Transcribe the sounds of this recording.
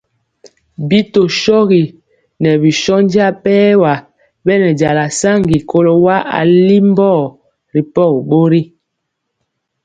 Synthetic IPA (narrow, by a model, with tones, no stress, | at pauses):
bi˦to˨ʃɔ˦ɣi˨ | nɛ˨bi˨ʃɔ˦n˦di˦a˦˨pɛː˦wa˨ | bɛ˦nɛ˨d͡ʒa˨la˨sa˦˨ŋɡi˨ko˦lo˦wa˦a̰˨li˦m˦bɔː˦˨ | ɾi˨pɔ˦˨kɓo˦ɾi˦